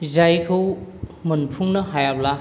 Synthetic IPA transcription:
zajkʰɯwmunpʰuŋnɐɦajabla

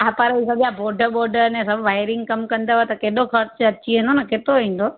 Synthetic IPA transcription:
apaɾeisɐɡijãboːɾɖʱəbɔːɾɖəɾnẽsɐbʱʋaːɪɾɪ̃ŋɡkɐmkɐ̃nd̪aʋet̪ɐkeːɗ̪okɐɾt͡ɕɐtːt͡ɕiɦẽnd̪onɐkeːt̪ɾoʋĩːn̆d̪o

